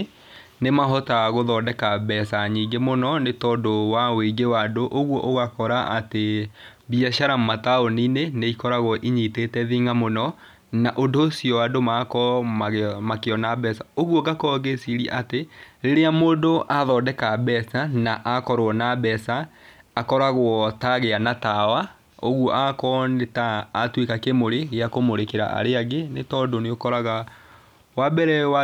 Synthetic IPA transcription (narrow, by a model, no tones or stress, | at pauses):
nemaɦɔtaɣoðɔːdɛkabɛsaɲiːɡemonɔnetɔːdowaweɡewadoʔoɣwɔʔoɣakɔɾaʔate | biaʃaɾammataonineneikɔɾaɣɔʔiɲitetɛðiŋamonɔ | naʔondoːsiɔwadomakɔ | makeɔnabɛsaoɣwɔɡakɔɣesiɾiɛ̰ʔateɾeɾeamoːdoʔaðɔːdɛkabɛsanaʔakɔɾwɔnabɛsaː | kɔɾaɣwɔtaɣeanatawa | oɣwɔʔakɔnetaːtwekakemoɾeɣeakomoɾekeɾa̰ʔa̰ɾeaɣenetɔdoneokɔɾaɣa | wabɛɾɛwa